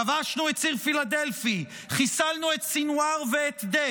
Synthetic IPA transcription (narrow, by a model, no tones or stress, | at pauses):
avaʃnuet̪siʁfilad̪elfi | χisalnuet̪sinuaʁveːt̪d̪e